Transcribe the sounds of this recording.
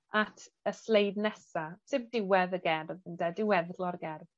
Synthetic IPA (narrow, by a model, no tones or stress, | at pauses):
atʰəslejdnɛsasɪmdɪwɛðəɡɛrvəndɛdɪwɛðɡlɔɾɡɛrv